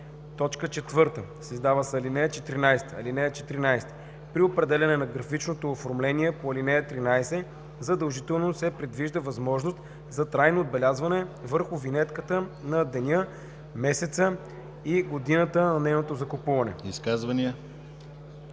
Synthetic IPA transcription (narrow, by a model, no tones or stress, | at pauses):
t̪ɔt͡ʃkət͡ʃɛt̪vɤɾt̪əsizd̪avəsɐlinɛjət͡ʃɛt̪ɾinajst̪əɐ̰linɛjət͡ʃɛt̪ɾinajst̪ə̥ | pɾiopɾɛd̪ɛlʲɐnɛnɐɡɾɐfit͡ʃnot̪oːfoɾmlɛniɛpoɐlinɛjət̪ɾinajsɛ | zɐd̪əlˠʒit̪ɛlˠnosɛpɾɛd̪viʒd̪əvɐzmɔʒnost̪ | zɐt̪ɾajnoːd̪̚bɛlʲazvɐnɛvəɾxʊvinɛt̪kət̪ənɐd̪ɛnʲə | mɛsɛt̪sə | iɡod̪inət̪ənɐnɛjnot̪ozɐkopuvɐnɛ̰iskazvɐniə